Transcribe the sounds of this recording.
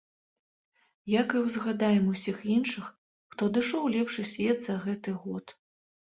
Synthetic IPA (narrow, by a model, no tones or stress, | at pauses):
jakɨwzɣad̪ajɛmusʲixinʂɨx | xt̪ɔd̪ɨʂɔwlʲɛpʂɨsʲvʲɛd̪zɐɣɛt̪ɨɣɔt̪